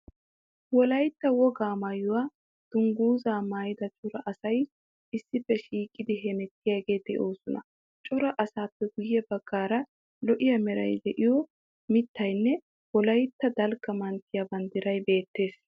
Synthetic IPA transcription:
wɔlɐjt̪ːɐwɔɡaːmajʊwaː | d̪̥ʊŋɡuːzaːmaːjɪd̪ɐt͡ʃʼʊɾɐʔɐsɐj | ɪsːɪfːɛʃiːkʼːɪd̪ɪɦɛnɛt̪ːɪjaɡe̞ːd̪ɛʔo̞ːsɔnɐ̰ | t͡ʃʼʊɾɐʔɐsaːpːɛɡʊjːɛbɐɡ̥ːaːɾɐ | lɔʔɪjɐmɛɾɐ̰jd̪ɛʔɪjɔ | mɪt̪ːɐjnːɛ | wɔlɐjt̪ːɐd̪ɐlɡɐmɐnt̪ːɪjabɐnd̪ɪɾɐjbe̞ːt̪ːe̞ːs

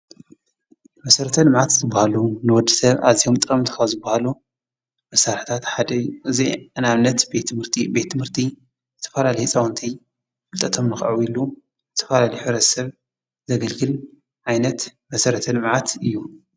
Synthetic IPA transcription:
mɐsɐɾɐt̪ʰɐlɨmʕat̪zɨbːahalunɨwɔd̪ːisɐβa̰βziho̞mt̪ʼɨɾʼɐmt̪ʰɨ̥kʰazɨbːahalu | mɐsaɾħt̪ʰat̪ħad̪ɐjuʔɨziɨnaβnːɐt̪bet̪mɨɾt̪ʰibet̪ːɨmhɨɾt̪ʰi | zɨt̪ʰɐ̥fɐlalɐjsʼɐwɐnt̪ʰi | fɨlt̪ʼɐt̪ʰo̞mnɨxʕuilu | zɨt̪ʰɐfalalɐjħɨβɾɐt̪sɐβ | zɐɡɐlɡɨl | ʕajnɐt̪mɐsɐɾɐt̪ʰɐlɨmʕat̪ɨjːu

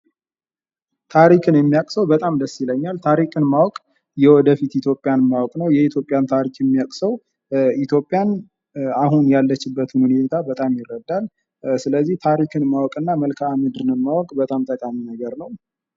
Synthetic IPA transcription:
t̪ʰaɾikʰɨnjɛmːijakʼsəwbət̪ʼamd̪əsːiləɲːalt̪ʰaɾikʼɨnmawɔkʼ | jɛwɔd̪əfit̪it̪ʰjo̞pʼːjanmawɔkʼnəwjɛit̪ʰjo̞pʼjant̪ʰaɾikjɛmːijakʼsəw | it̪ʰjo̞pʼːjan | ahunjalːət͡ʃːɪbːət̪huhuneet̪ʰabət̪ʼamjɪrːəd̪ːal | sɨləzːiht̪ʰaɾikʰɨnmawɔkʼɨnːaməlkʰaːmɨd̪ɨnɨmːawɔkʼbət̪ʼamt̪ʼəkʼaminəɡəɾnəw

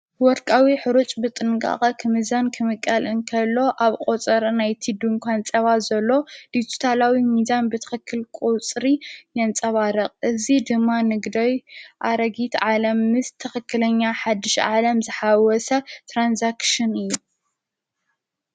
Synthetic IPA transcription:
wɔɾkʼawiħɨɾut͡ʃʼbɨt̪ʼɨnkʼa̰χʼɐkʰɨmɨzankʰɨmɨkʼːɐlɨnkʰɐlːo̞ʔaβkʼot͡sʼɐɾnajt̪ʰid̪umkʷʰant͡sʼɐβazɐlːo̞d̥̪it̪ʰu̥t̪ʰalawimizanbɨt̪ʰɐ̥xɨkʰːɨlkʼut͡sʼɾijɐnt͡sʼɐβaɾɐqʼɨzid̪ɨmːanɨɡd̪ojʔaɾɐɡit̪ʕalɐmːɨst̪ʰɐxɨkːɨlɐɲːaħad̪ɨʃʕalɐmzɨħawɔsɐt̪ʰɾanzakʃɨnɨjːu

